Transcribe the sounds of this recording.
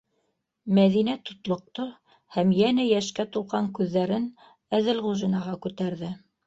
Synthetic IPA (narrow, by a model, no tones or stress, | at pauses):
mæðinæt̪ŏt̪lˠŏq̚t̪o | hæmjænæjæʃkæt̪ulˠʁɑŋkʉðːæɾɘn | æðɘlʁuʒinɑʁɑkʉt̪æɾðɘ